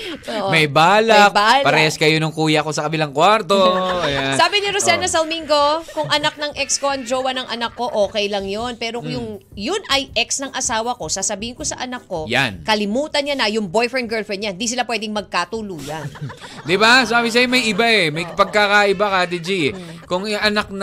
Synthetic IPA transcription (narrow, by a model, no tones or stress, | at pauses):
oʔmɐjbaːlɐk̚balpɐɾɛjɐskɐjonɐŋkuːjɐɐko̞sɐkɐbɪlaŋkwaɾt̪oɐjansaːbɪnɪɾosɛnɐsɐlmiŋɡo̞kʊŋʔɐnak̚nɐŋʔɛkskoʔɐŋd͡ʒowɐnɐŋʔɐnɐkːo̞ʔoːkɛjlɐŋjo̞npɛːɾo̞jʊŋjʊnɐjʔɛksnɐŋʔɐsaːwɐko̞saːsɐbiːhɪnko̞sɐʔɐnɐkːo̞ja̰nkɐlɪmuːt̪ɐnɲanɐjʊŋbo̞jfɛnɡɛlfɛnɲanhɪnd̪is̬ɪlapwɛːd̪ɪŋmɐɡ̚kat̪uluːjɐnd̪ɪbasabɪs̬ɐjɪmɐjʔɪbaɛmɐjpɐɡ̚kakaʔɪbakad̪id͡ʒikʊŋʔɐnak̪̚